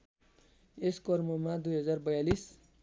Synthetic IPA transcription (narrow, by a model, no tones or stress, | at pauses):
eskʌrmomad̪ujɦʌd͡zarbʌjalis